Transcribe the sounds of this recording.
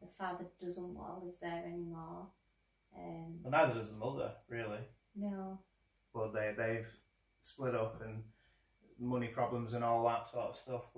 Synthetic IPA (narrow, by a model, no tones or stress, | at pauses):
ðəfɑːðəd̥ʌzə̃nʔwɔ̰lˠəvðɛɹɛ̃nmɔ | ʔʌ̃mbʌtnaɪðədəzəmʌðə̰˞ɹɪəlˠi | noʊ | b̥ʌt̪̚ðeɪðeɪv̥ | splɪɾʊpʰə̃n | mʊnipʰɹ̥ɑblə̃mzə̃nɔːlˠðətsɔˑɹtəv̥stʌf